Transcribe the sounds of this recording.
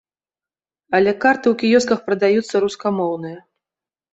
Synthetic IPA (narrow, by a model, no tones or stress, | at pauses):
ɐlʲɛkart̪ɨwkʲijɔs̬kɐxpɾɐd̪ajut̪sːɐɾuskamɔwnɨjɐ